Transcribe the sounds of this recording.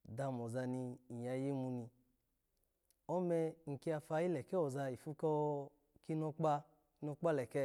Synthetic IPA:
da˧˨mɔ˨za˧ni˧i˨a˧ji˦mu˧ni˧ | ɔ˦mɛ˧ŋ̩˨ki˧˦a˧fa˧i˦lɛ˨kɛ˦ɔ˨za˧i˨fu˦kɔ˦˧ | ki˦nɔ˧k͡pa˦ | nɔ˧k͡pa˦lɛ˨kɛ˦

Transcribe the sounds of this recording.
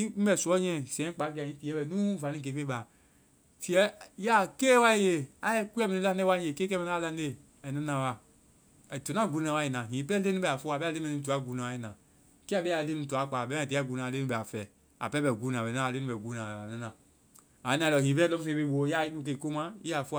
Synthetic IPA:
i˦m̩˦bɛ˨su˨˦ɔ˦ɲɛ̃˦˨sɛ̃˨˦k͡pa˨˦ki˦a˨ĩ˦ti˨˦ɛ˦bɛ˨nu˦va˨ni˦k̬e˨fe˦ba˨ | fi˦ɛ˦ja˦ke˦wa˦je˨a˦ɛ˦kʷu˦ɛ˦mi˨ni˦la˦ne˦wa˦e˨ke˦kɛ˦mɛ˦na˦a˦˨la˦ne˦ | ɛ˨na˦na˨wa˨ | to˨na˦˨ɡu˦na˨wa˦ji˨na˨ɦĩ˨pɛ˦le˦nũ˦bɛ˨a˨fo˦a˨bɛ˦a˦le˦mɛ˨ni˦t̬u˨a˦˨ɡu˨na˨a˨˦i˨na˨ | ke˦a˨bɛ˦a˨le˦nu˦˨˦tu˨a˦˨k͡pa˨bɛ˦a˨ti˨˦a˦˨ɡu˨na˨le˦nu˦ɛ˨a˨fɛ˨ | a̰˨pɛ˦bɛ˨ɡu˦na˨bɛ˨na˦a˨le˦nu˦ɛ˨ɡu˦na˨na˦na˨ | a˨i˦na˨ɔ˨hĩ˨bɛ˦lɔ˦fe˨be˦˨˦o˨ja˦˨i˦nu˦k̬e˨ko˦ma˦i˦a˨fo˦

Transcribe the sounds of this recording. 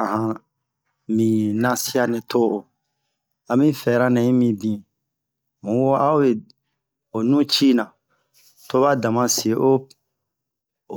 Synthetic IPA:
ã˨ɦã˧ | mĩ˨nã˦si˦a˦nɛ̃˨tʰo˦o˨ | a˧mĩ˦fɛ˨ɾa˦nɛ̃˨ĩ˦mĩ˧bĩ˨ | mũ˨wo˦a˦o˦je˨ | o˨nũ˦t͡ʃi˦nã˨ | to˦ba˦dã˨mã˦se˨ʔo˦

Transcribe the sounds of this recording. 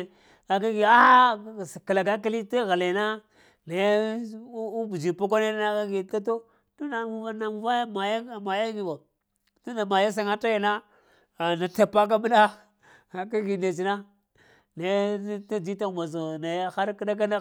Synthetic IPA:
a˨ka˦ɡi˨a˦a˦˨ska˨la˨ɡa˦k̬a˦li˦ta˦ɣa˨la˨na˦ | na˨j | bu˨d͡ʒi˨po˦k̬ʷa˦ne˦da˦na˦ka˦ɡi˨ta˦to˦ | tu˦na˨mu˨a˦na˨mu˨va˦ja˦ma˨ja˦˨ma˨ja˦ɡi˨a˨ | tu˦na˨ma˨ja˦s̬a˨ŋa˦ta˦ja˨na˦ | a˨na˨ta˨pa˦k̬a˦mi˦na˦˨ | ka˦ɡi˨da˨t͡ʃi˨na˦ | na˨˦ta˦d͡ʒi˦ta˦˨ma˨s̬o˨na˨ja˦xa˦ɾki˦da˦k̬a˦na˦

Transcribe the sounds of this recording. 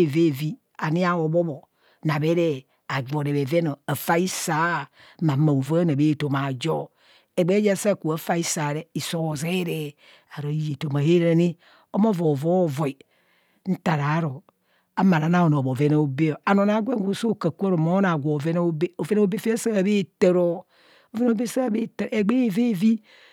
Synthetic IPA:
ve˦˨vi˦ | a˨ni˦a˦wo˨bo˦bo˨ | na˨be˦ɾe˦ | a˨ɡ͡bo˨ɾe˨βe˨ve˦no˨a˨fa˦i˦sa˨˦˨ | ma˨˦ma˨o˨vo˦na˨be˦˨to˨ma˨d͡ʒo˦ | e˨ɡ͡be˦d͡ʒa˦˨sa˦˨ku˨a˨fa˦i˦sa˨ɾe˦i˨so˦˨ze˦ɾe˨ | a˨ɾo˨i˨˦je˨to˨ma˨he˦ɾe˨ni˦ | o˦mo˦vo˨vo˦˨vo˨i˨ | n̩˦ta˨ɾa˨˦ɾo˨ | a˨ma˨ɾa˨na˦o˨no˨bo˨ve˦na˨o˦be˦o˨a˨no˨na˨˦ɡʷe˦ŋ˦ɡʷo˦so˦˨ka˨ku˦a˦ɾo˨ma˦na˨ɡʷo˨ve˦no˦o˦be˦o˨ve˦na˦o˦be˦fe˦sa˦˨be˦˨te˨ɾo˨ | o˨ve˦no˦be˦sa˦˨be˦tɾe˨ɡ͡be˦˨ve˦˨vi˦

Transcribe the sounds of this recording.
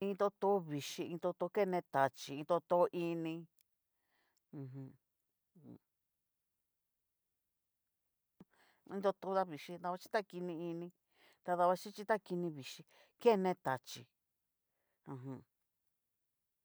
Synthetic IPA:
ĩ˧t̪o˧t̪o˧˦βi˨ʃi˧ĩ˧t̪o˧t̪o˧ke˦˧nẽ˧t̪a˨t͡ʃi˨ĩ˧t̪o˧t̪o˧˦ʔi˧nĩ˧ | ɦũ˧ | ḭ̃˧t̪o˧t̪o˧˦ða˦˧βi˨ʃi˧d̪a˧βa˧t͡ʃi˦t̪a˦ki˧nĩ˧i˧nĩ˧ | t̪a˧ða˧βa˧t͡ʃi˦t͡ʃi˦t̪a˦ki˧nĩ˧βi˨ʃi˧ | ke˦˧nẽ˧t̪a˨t͡ʃi˨ | ũ˧ɦũ˧

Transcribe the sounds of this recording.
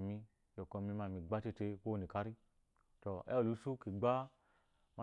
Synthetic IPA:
mi˧ | jo˨kɔ˧˨mi˧˦ma˧˨mĩ˧ɡ͡ba˦te˦˧te˧ko˦˨ni˨ka˧ɾi˦ | to˨ḛ˦o˨lu˨˧˦su˦ke˨ɡ͡ba˦ | ma˦

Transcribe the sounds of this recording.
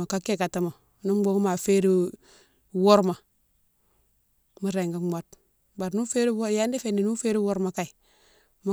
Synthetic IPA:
a˨ka˦ke˦ka˨ta˦ma˨˦ | nu˦mɡ͡bo˦ŋ˦ma˨fe˦ɾi˦ | wo˦ɾma˨ | mu˦ɾe˨ŋɡa˦mʷa˦t | ba˨ɾnu˦fe˦ɾi˦wo˦ja˦ndi˦fe˨ndi˨nu˦fe˦ɾi˦wo˦ɾma˨ka˨i˨ | mu˦

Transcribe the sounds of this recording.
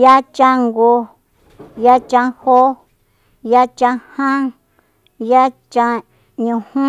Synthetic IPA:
ja˦t͡ʃã˧ŋɡo˧ | ja˦t͡ʃã˧ho˦ | ja˦t͡ʃã˧hã˦ŋ | ja˦t͡ʃã˧ | ɲũ˨˧hũ˦

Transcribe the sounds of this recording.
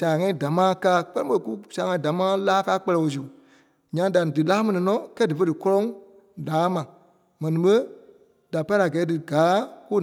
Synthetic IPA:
sã˨ŋã˦ĩ˦da˨mãː˦kaː˦k͡pɜ˦ɛ̃˦ɓə˦˧ku˦sãː˨ŋã˧ĩ˦da˨mãː˦laː˦kaː˦k͡pɛ˦˧lɛ˧˨wo˧˨s̬u˨ | ɲã˧da˨dɨ˨laː˦mɛ̃˨nĩ˨nɔ̃˦kɛ˦dɨ˨fə˦dɨ˨kɔ˦lɔ̃˦ŋ | daː˨˦mã˨ | mɛ̃˨nĩ˨ɓə˦ | d̥a˨pa˦a˨ɡɛː˨˦dɨ˨ɡaː˨˦ku˦

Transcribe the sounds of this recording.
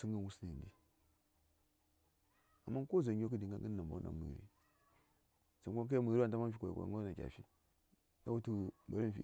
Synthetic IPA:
si˦ŋɡə˦wu˦si˦ni˨ndi˦ | a˨mːa˦ko˦za˨ɲ˦o˦k̬ə˦di˨ŋ˦ɡa̰˦ŋɡə˦na˨mba̰˨˦na̰˨mə̰˨ɾḭ˦ | sa˨˦kʷo˦k̬a˦ja˦mə˨ɾi˦wa˦n˨ta˦ma˦fi˦kʷa̰˨ka̰˨˦o˦na˨kʲa̰˨fi˦ | ka˦wu˦tu˦ba˨ɾi˦˨fḭ˦

